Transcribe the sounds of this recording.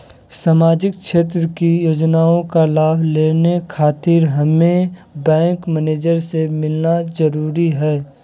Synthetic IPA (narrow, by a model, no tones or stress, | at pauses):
saːmaːd͡ʒɪkʃeːt̪̬ɾəkijoːd͡ʒnaːõkalaːbʱleːnekʰaːt̪ɪɾɦɐmebɛ̃ːŋkmɛneːd͡ʒəɾsemɪlnazəɾuːɾiɦɛː